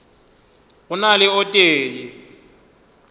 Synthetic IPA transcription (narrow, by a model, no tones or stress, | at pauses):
unalɛɔtʼeːlɛ